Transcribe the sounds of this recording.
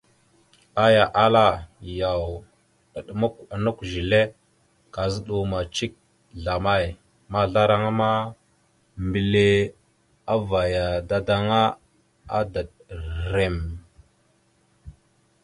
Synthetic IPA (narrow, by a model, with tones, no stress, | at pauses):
a˦ja˨ʔa˦la˦ja˨w | ə˨ɗmu˦ka˨nu˦kʒi˨le˦ | ka˨zə˦ɗu˨ma˨t͡ʃi˦k̚ | ɮa˨ma˦˨j | ma˨ɮa˦ɾa˦ŋa˦ma˦ | mbi˨le˦ | a˦va˨ja˨da˦da˦ŋa˦ | a˦da˨ɗ | ɾe˨m